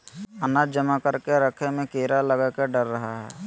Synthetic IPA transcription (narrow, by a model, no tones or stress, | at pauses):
ənad͡ʒəmakəɾkeɾəkʰemẽkeːɾaləɡakeɖəɾːəɦaɦɛ̰ː